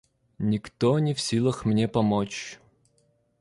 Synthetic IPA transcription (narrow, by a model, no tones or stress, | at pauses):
nʲikt̪ɔnʲiwsʲilˠɐxmnʲɛpɐmɔt͡ʃ